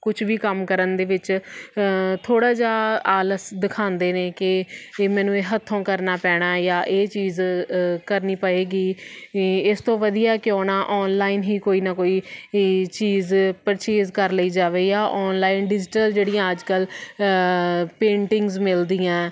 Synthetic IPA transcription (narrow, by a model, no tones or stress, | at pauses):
kʊt͡ʃʰʋiːkəmkəɾənd̪eːʋɪt͡ʃ | t̪ʰoːɽaːd͡ʒaːaːləsd̪ɪkʰãːnd̪eːneːkɪmɛːnũːeːɦət̪ʰːõːkəɾnaːpɛːɽ̃aːjaːʔeːt͡ʃiːzkəɾniːpəeːɡiː | ɪst̪õːʋəd̪ijaːkɪoːnaːʔɔːnlaːiːnɦiːkoːiːnaːkoːiː | t͡ʃiːzpəɾt͡ʃeːzkəɾləiːd͡ʒaːʋeːiːaːʔɔːnlaːinɖɪd͡ʒɪʈəld͡ʒeːɽɪjãːəd͡ʒkəl | pẽːɳʈɪŋɡzmɪld̪iːãː